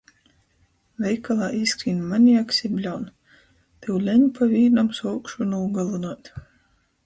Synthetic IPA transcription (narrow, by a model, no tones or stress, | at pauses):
vʲɛjkalˠaːʔiskɾiːnmanʲijaksʲibʲlʲawn | t̪ɛwlʲɛɲpʰavʲiːɾnamsɔwkʃunuːɡalˠunɔt̪ʲ